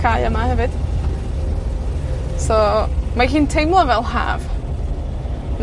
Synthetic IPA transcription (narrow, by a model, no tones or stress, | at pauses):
ajəmahɛvɨd̥ | sɔmahiːntʰejmlˠɔvɛlˠɦa̰ːv | n